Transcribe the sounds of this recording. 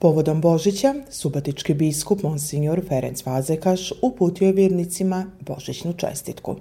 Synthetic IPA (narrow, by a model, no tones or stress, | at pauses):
po̞ʋo̞d̪o̞mbo̞ʒit͡ɕasubot̪it͡ʃkibiskupmonsiɲoɾfe̞ɾent̪sʋazekaʃupuːt̪ioʋjeːɾnit̪simabo̞̰ʒit͡ɕnut͡ʃe̞̰st̪it̪kṵ